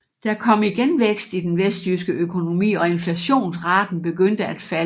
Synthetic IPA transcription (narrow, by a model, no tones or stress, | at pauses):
d̥ɑ̈kʰɒ̽m̰iɡ̥enʋeɡ̥sd̥id̥enʋesd̥ysɡ̥əʔøkʰo̝no̝mḭːɒ̽e̝nflæɕo̝̰ːnsʁɑ̈ːd̥n̩b̥e̝ɡ̥øn̰d̥əæd̥fæl